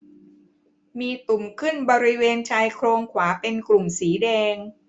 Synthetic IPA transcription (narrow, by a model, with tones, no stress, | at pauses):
miː˧t̪u˨˩mkʰɯ˥˩nbɔː˧ɾi˦˥weː˧nt͡ɕʰaː˧jkʰɾoː˧ŋkʰwaː˩˦pe˧nklu˨˩msiː˩˦dɛː˧ŋ